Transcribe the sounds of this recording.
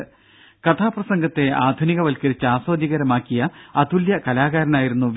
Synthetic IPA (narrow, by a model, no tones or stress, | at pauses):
kɐt̪ʰaːprɐsɐŋɡɐt̪ːe̞aːd̪ʱuniɣɐʋɐlkɐɾit͡ɕːɨaːsoːd̪iɣɐɾɐmaːkːijɐɐd̪uljɐkɐlaːɣaːɾɐnaːjiɾunːuʋ